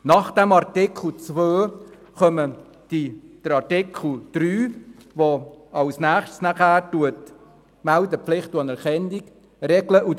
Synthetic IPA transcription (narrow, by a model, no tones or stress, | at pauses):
nɑχd̥̪æmɑɾtɪkʰl̩t͡sʋøː | χœmə | d̥id̥əɾɑɾtɪkʰl̩ˠd̪̥ɾyːʋoɑwsnæːχʃtsnæχæːɾtuət | mældəpflɪχtuɑnɛɾχɛnik | rɛɡləʔu